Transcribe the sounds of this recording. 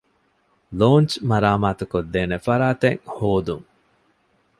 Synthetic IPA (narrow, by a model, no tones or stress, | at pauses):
loːnt͡ʃmɐɾaːmaːt̪ukod̪ːeːnefɐɾaːt̪eŋhoːd̪uŋ